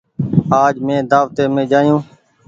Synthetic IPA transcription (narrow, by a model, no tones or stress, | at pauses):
aːd͡ʒmẽːd̪aːʋt̪eːmẽːd͡ʒaːjũː